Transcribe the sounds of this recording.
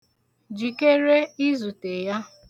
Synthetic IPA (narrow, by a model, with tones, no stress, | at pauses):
d͡ʒi˨ke˦ɾe˦i˦zu˨te˨ja˦